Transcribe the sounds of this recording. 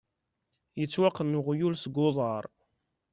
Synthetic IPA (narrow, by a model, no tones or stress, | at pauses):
jət͡sːwaqːənːʊʁjulsɡʊðˤɑɾˤ